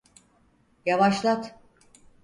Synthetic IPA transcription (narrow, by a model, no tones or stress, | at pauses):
javaʃlˠat̪